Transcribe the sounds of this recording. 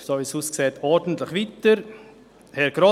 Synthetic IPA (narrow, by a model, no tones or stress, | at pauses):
soːʋisuːskseːtɔɾdn̩tlɪχʋitəɾ | hɛɾɡ̥ɾo